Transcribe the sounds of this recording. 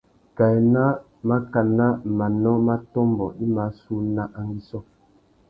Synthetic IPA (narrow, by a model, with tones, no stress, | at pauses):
ka˨ɛ˨na˦ | ma˦ka˨na˦˨ma˨nɔ˦ma˦tɔ˦mbɔ˨ʔi˦ma˨˦su˦na˦ʔa˨ŋ˦ɡi˦sɔ˦